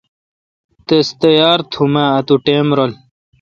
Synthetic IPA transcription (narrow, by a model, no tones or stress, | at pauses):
t̪est̪ɐjaːɾt̪ʰumãːt̪uʈeːmɾol